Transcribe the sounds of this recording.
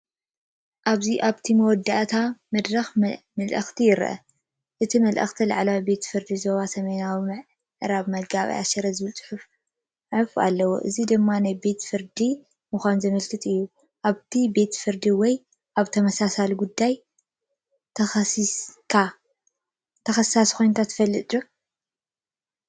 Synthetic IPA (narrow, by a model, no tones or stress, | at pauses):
ʔaβziʔaβt̪ʰimɐwɔd̪ːaʔt̪ʰamɐd̪ɾɐx | mɐlʔɐxt̪ʰijɪɾʔɐ̰ | ʔɨt̪ʰimɐlʔɐ̰xt̪ʰila̰ʕlawibe̞t̪fɨɾd̪izoβasɐmɐnawimɨʕ | ʕɨɾaβmɐɡaβḭa̰ʃɐɾɐzɨbɨlt͡sʼɨ̥ħuf | ħɨfa̰lːɐwo̰ʔɨ̰zid̪ɨmːanajbe̞t̪fɨɾd̪i | mɨxʷanzɨmɐlkʰɨt̪ʼɨjːu | ʔaβt̪ʰibe̞t̪fɨɾd̪iwɔj | ʔaβt̪ʰɐmɐsasalɡud̪ːaj | t̪ʰɐxɐsikʰa | t̪ʰɐxɐsaskʰo̞jnkʰat̪ʰɨ̥fɐlːɨt̪ʼu